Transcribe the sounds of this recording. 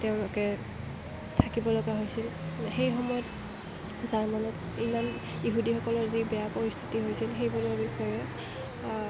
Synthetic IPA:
tɛʊ̃lokɛ | tʰakibɔlɔɡaɦojsilxejxɔmɔjɔt | zaɹmanɔt | iman | iɦudixɔkɔlɔɹzibɛjapoɹist̪ʰi̥tiɦojsilxejbulɔɹbixɔjɛ

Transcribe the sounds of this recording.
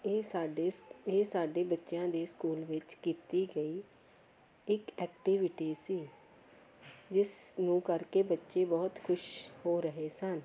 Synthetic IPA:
ɖeeːsaːɖeːbətːʃjãːd̪eːskuːlʋɪt͡ʃkiːt̪iːɡəiː | ɪkɛːk̚ʈiʋɪʈiːsiː | d͡ʒɪsnũːkəɾkeːbətːʃeːbɔːt̪kʰʊʃhoːɾəɦeːsən

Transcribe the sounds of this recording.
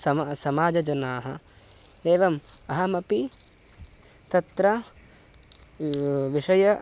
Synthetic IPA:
sɐsɐmaːd͡ʒɐd͡ʒɐnaːɦɐ | eːʋɐmɐɦɐmɐpi | t̪ɐt̪ɾɐ | ʋiʂɐjɐ

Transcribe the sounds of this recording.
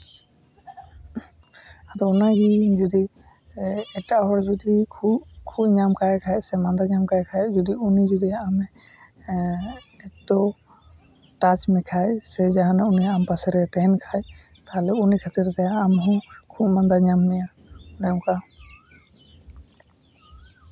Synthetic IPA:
ad̪ɔɔnaɡid͡ʒɔd̪i | ɛʈaʔɦɔɾd͡ʒɔd̪ikʰubkʰubɲamkajkʰajsɛmand̪aɲamkajkʰajd͡ʒɔd̪iunid͡ʒɔd̪ijaːmɛ | ɛd̪ɔ | ʈat͡ʃmɛkʰajsɛd͡ʒaɦanaunijaampasɛɾɛt̪ɛnkʰaj | k̪aɦlɛunikʰat̪iɾt̪ɛjaːmɦɔ̃kʰubmand̪aɲamnɛja | ɔnaɔ̃ka

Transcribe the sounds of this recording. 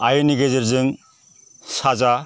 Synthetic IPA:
ajɯniɡezeɾzɯŋ | saza

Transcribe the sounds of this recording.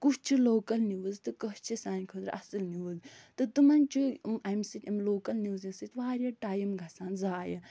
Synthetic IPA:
kut͡ʃt͡ʃʰiloːkɐlniʋuzt̪ɨkɐɦt͡ʃʰisaːnʲkʰəd̪ɾ̰ʔɐ̰sɨlniʋuzt̪ɨt̪umɐnt͡ʃuɐmsit̪ʲɐmloːkɐlniʋzisɨt̪ʲʋaːɾʲɐʈaːjɐmɡʱɐsaːnzaːjɐ

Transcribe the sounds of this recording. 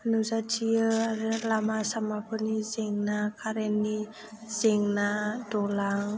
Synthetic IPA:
nuzatʰiɯaɾɯlamasamapʰɯnizeŋnakʰaɾenːi | z̥eŋnadɔlaŋ

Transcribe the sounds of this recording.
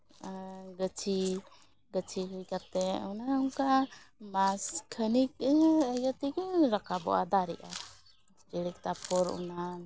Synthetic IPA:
ɡət͡ʃʰi | ɡət͡ʃʰiɦujkat̪ɛwnaŋkamaskʰənik̚əjət̪ikəɾakabɔ̰ʔa̰d̪aɾɛ̰ʔa | ɾiɽik̚t̪apɔɾṵna

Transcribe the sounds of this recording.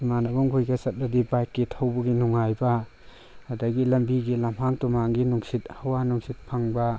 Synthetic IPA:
umanɐbuŋɡujɡɐsɐt̚lɐdibajkːitʰawbɐɡinuŋajbɐ | adɐɡilɐmbiɡilamhaŋtumaŋɡinuŋsit̚hawanuŋsit̚pʰaŋbɐ

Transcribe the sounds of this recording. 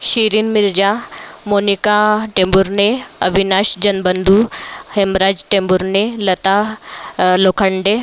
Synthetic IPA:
ɕiɾinmiɾd͡ʑamonikaʈembuɾneəbʱinaɕd͡ʑənbənd̪ʱuhemɾad͡ʑʈembuɾnelət̪a | lokʰəɳɖe

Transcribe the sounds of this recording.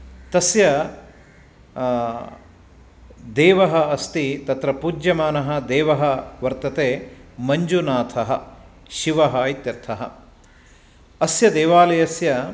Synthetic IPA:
t̪ɐsjɐ | d̪eːʋɐɦɐɐst̪it̪ɐt̪ɾɐpuːd͡ʒjɐmaːnɐɦɐ̆d̪eːʋɐɦɐʋɐɾt̪ɐt̪eːmɐɲd͡ʒunaːt̪ʰɐɦɐ̰ | ʃiʋɐɦɐːit̪jɐɾt̪ʰɐɦɐ̰ | ɐsjɐd̪eːʋaːlɐjɐsjɐ

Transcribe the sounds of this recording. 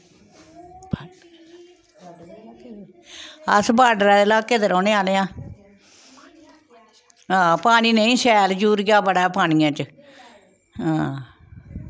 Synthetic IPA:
əsbaːɖɾɛːd̪laːkeːd̪əɾɔ̃ːnẽaːleãː | ɦãːpaːɽ̃iːnəĩːsɛːld͡ʒuːɾɡaːbəɽaːpaːñiːãːt͡ʃə | ɦãː

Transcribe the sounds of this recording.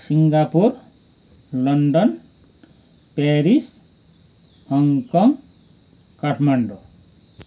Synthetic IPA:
siŋɡapur | lʌnɖʌn | peɾis | hʌŋkʌŋ | kaʈʰmaɳɖo

